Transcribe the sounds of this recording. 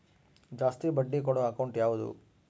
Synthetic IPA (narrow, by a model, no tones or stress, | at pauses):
d͡ʒaːst̪ibɐɖːik̬ɔɽɔɐkɐwɳʈjaːʋud̪ṵ